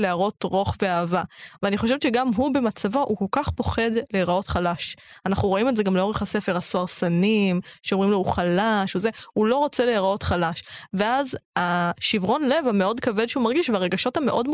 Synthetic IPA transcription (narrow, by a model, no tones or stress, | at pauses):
leaʁo̞tʁo̞χve̞aːvaveaniχo̞ʃevet͡ʃeɡamɦube̞mat͡savoʔuko̞lkaχpo̞χe̞dleʁao̞tχalaʃanaχnuʁo̞imetze̞ɡamleo̞ʁeχhasefeʁasoaʁsanimʃeomʁimlouχalaʃozeulo̞ʁot͡seleaʁao̞tχalaʃve̞azaʃivʁo̞nle̞vameo̞dkavedʃeumaʁɡiʃveaʁe̞ɡaʃo̞tame̞ʔo̞dm